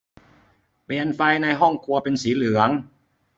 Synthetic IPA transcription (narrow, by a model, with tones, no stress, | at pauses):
piː˨˩ənfa˧jna˧jɦɔ˥˩ŋkʰu˧ɐpe˧nsiː˩˦lɯ˨˩˦əŋ